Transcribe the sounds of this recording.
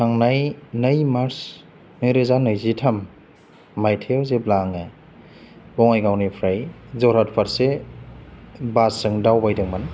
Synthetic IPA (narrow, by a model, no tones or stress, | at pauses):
nʰaŋnajnɯjmaɾs | nɯjɾɯzanɯjzitʰɐmː | ajtʰewzeblaŋe | bɔŋajɡawnipʰɾajzɔɾhat̚pʰaɾse | basɯŋdawbajdɯŋman